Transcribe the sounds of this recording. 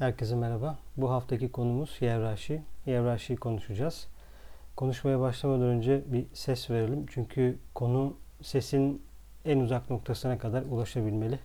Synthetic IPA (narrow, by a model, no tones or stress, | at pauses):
hæɾcʰesimɛɾababuɦaft̪ʰacikʰo̞numuz̥jævɾaʃɯjævɾaʃɯjkʰo̞nuʃud͡ʒaːz̥ | kʰo̞nuʃmajabaʃlˠamad̪ɾønd͡ʒɛbisɛsve̞ɾelʲimt͡ʃʰyɲcʰykʰo̞nuse̞sin | ænuzakno̞k̚t̪ʰasɯnakʰad̪aɾulˠaʃabilʲme̞lʲɪ